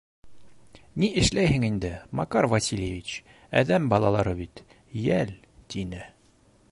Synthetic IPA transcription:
niɘ̆ʃlæjɦɘŋind̪ɘmɑkɑɾvɐsʲilʲjevʲit͡ɕ | æ̰ðæmbɑlˠɑlˠɑɾɤbit̪ | jæl | t̪inɘ

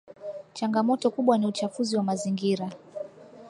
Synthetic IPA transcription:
t͡ʃaŋɡamɔtɔkuɓwaniut͡ʃafuziwamaziŋɡiɾa

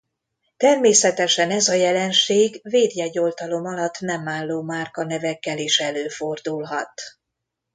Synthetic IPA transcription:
t̪ɛrmeːsɛt̪ɛʃɛnɛzɒjɛlɛnʃeːɡveːd̪jɛɟo̞lt̪ɒlo̞mɒlɒt̪ːnɛmːaːlːoːmaːrkɒnɛvɛkːɛliʃɛløːfo̞rd̪ulɦɒt̪

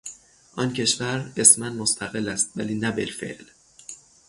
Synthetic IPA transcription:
ʔɒncʰe̞ʃvæɾesmænmost̪ʰæɣelːæst̪̚væ̰liːnæbelfḛʔl

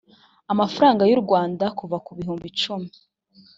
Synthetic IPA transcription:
amafaɾaːŋɡajuɾɡwaːndakuvakuβiɦuːmbit͡ʃumi

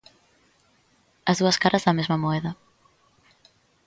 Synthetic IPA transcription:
ɐzðuɐskaɾʔɐzðɐmezmɐmoɛðɐ

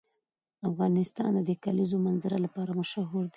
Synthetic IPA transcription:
afɣɑnɪst̪ɑ̰nd̪əd̪əkalizomanzaɾalapɑɾamaʃaɦuɾd̪i

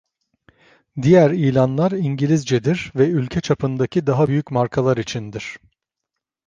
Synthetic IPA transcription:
d̪ijæɾijlʲanlˠaɾiɲɟilʲizd͡ʒɛd̪iɾvɛylʲcʰɛt͡ʃʰapʰɯnd̪acʰid̪aɦabyjycmaɾkʰalˠaɾit͡ʃʰind̪iɾ̥

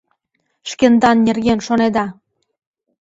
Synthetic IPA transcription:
ʃkend̪ɑnːʲerɣenʃoned̪ɑ

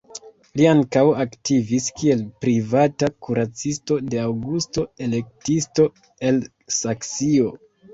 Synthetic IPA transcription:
liaŋkawaktiviskie̞lpɾivatakuɾat͡sisto̞de̞awɡusto̞e̞le̞k̚tisto̞ | e̞l | saksio̞

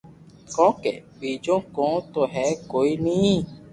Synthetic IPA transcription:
kɔ̃kɛ̰k͡pid͡ʒõkɔ̃t̪oɦɛkoinĩ

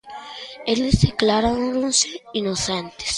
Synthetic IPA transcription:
elezðeklaɾaɾoɾonseinosent̪e̥s

